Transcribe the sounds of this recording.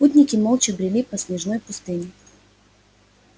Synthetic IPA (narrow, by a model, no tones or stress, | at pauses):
put̪ʲnʲɪkʲɪmolˠt͡ɕɪbɾʲɪlʲipɐsʲnʲɪʐno̞jpʊst̪ɨnʲɪ